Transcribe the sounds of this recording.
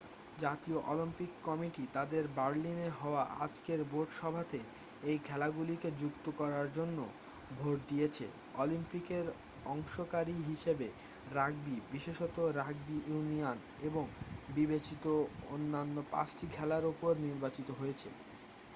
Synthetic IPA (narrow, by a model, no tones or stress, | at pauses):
d͡ʑat̪ioʔɔlimpikːɔmiʈit̪ad̪eɾbaɾlineɦɔoaʔa̰d͡ʑkeɾboɾɖʃɔbʱat̪e | ejkʰɛlaɡuliked͡ʑuk̚t̪okɔɾaɾd͡ʑonːo | bʱoʈ̚d̪iet͡ɕʰḛ | ɔlimpikeɾ | ɔŋʃokaɾiɦiʃebe | ɾaɡ̚bibiʃeʃɔt̪oɾaɡ̚biunion | eboŋbibet͡ɕit̪oonːanːopa̰t͡ɕʈikʰɛlaɾupoɾniɾbat͡ɕit̪oɦojet͡ɕʰḛ